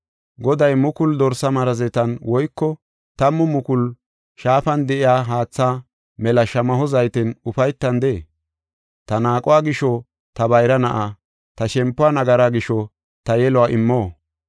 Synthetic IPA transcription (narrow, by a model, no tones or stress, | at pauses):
ɡɔd̪ɐjmʊkʊld̪ɔɾsɐmɐɾɐzɛt̪ɐnwɔjkːɔ | t̪ɐmːʊmʊkʊl | ʃaːfɐnd̪ɛʔɪjaːɦaːt͡sːaː | mɛlɐʃɐmɐɦɔzɐjt̪ɪnʊfɐjt̪ːɐnd̪eː | t̪ɐnaːkʼʊwaːɡɪʃɔ | t̪ɐbɐjɾɐnɐʔa | t̪ɐʃɛmpːʊanɐɡɐɾaɡɪʃɔ | t̪ɐjɛlɔwaːʔɪmːoː